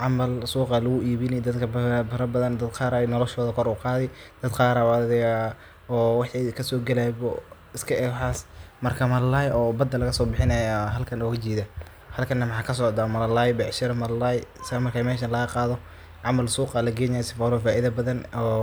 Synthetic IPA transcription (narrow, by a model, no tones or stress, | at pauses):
ʕɑmɐlsuːqɑlɐɣʊʔiːβɪnɛd̪ɐd̪kʰɐbbɐɾɐbɐðɐnd̪ɐd̪qɑːɾanɔlɔʃɔːðɐkʰɔɾuːqɑːðɛjd̪̥ɐd̪qɑːɾɐðɪa | ɔːwɑħikʰɐsɔːɡɐlabɔ | ɪskʰɐʔɛħɑːsmɐrkʰɐmɐlɐlaːjʔɔːbɐd̪ːɐlɐɣɐsɔːbɪħɪnɐjaɦɐlkʰɐnɔːɣɐt͡ʃiːðɐ | hɐlkʰɐnːɐmɑħɑːkʰɐs̬ɔːʕd̪amɐlɐlaːjbɛʕʃɪɾɐmɐlɐlaːjsɐɐmɐrkʰaːmɛːʃɐnlɐɣɐqɑːðɔ | ʕɑmɐlsuːqɑlɐɡɛːjnaɛsɪfaːlɔfaːʔɪðɐbɐðɐnɔː